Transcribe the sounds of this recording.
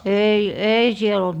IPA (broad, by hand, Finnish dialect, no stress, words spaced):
ei ei siel olt